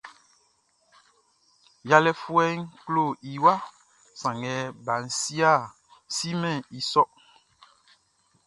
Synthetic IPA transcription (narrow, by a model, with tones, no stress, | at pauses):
ja˨lɛ˦fu˦ɛ˦ŋ˦klo˦˨i˨wa˦ | sã˨ŋɛ˨˦ba˨n̩˨si˦a˦˨ | si˦mɛ̃˦˨i˨sɔ˦